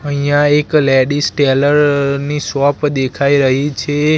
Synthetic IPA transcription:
əɦijãeklɛɖisʈeləɾnisʋɔpd̪ekʰaiɾəɦit͡ʃʰe

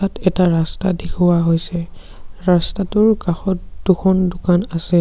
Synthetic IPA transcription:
atɛtaɹastadekʰuwaɦojsɛ | ɹastatʊɹkaxɔt̚duxʰɔndʊkanasɛ

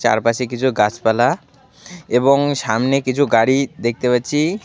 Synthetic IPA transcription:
t͡ɕa̰ɾpaʃekit͡ɕʰuɡat͡ɕpala | eboŋʃamnekit͡ɕʰuɡaɽid̪ek̚t̪epatːɕʰi

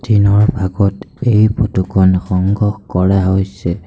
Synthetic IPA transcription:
dʰinɔɹbʱaɡɔtejbʰotukʰɔnxɔŋɡɔxkɔɹaɦojsɛ

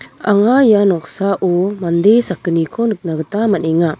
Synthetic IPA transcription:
aŋajanɔk̚saʔɔmand̪esakːənikʰɔnɯk̚naɡətamaneŋa

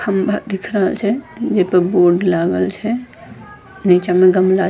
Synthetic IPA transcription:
kʰəmbʱat̪d̪ikʰɾəɦəlt͡ʃʰɛd͡ʒepəɾboɾɖlaɡəlt͡ʃʰɛ | nit͡ʃamẽɡəmla

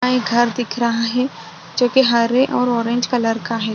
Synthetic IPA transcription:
aeɡʱɐɾd̪ɪkʰɾɐɦaɦɛː | d͡ʒoːkeɦaɾeʔɔːɾɔːɾẽɲd͡ʒkaləɾkaɦɛː

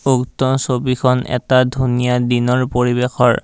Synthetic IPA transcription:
uktɔsobikʰɔnʔɛ̰tadʱunijadinɔɹpoɹibexʰɔ̰ɹ

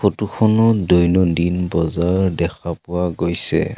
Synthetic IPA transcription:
kʰotukʰɔnɔdɔjnɔdinbɔzaɹdɛkʰapʊwaɡojsɛ̰

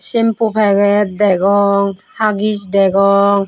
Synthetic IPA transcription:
simpupʰɛɡɛd̪ɛɡɔŋhaɡisd̪ɛɡɔŋ

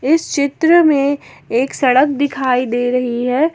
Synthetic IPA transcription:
ɪst͡ʃɪt̪ɾəmẽ | eːksɐɽək̚d̪ɪkʰaːid̪eːɾɐɦiɦɛː

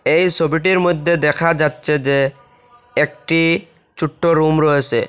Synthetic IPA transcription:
ejsobiʈ̬iɾmojd̪ʱːed̪ɛkʰad͡ʑatːɕʰed͡ʑe | ek̚ʈi | t͡ɕuʈːoɾumɾɔet͡ɕʰḛ

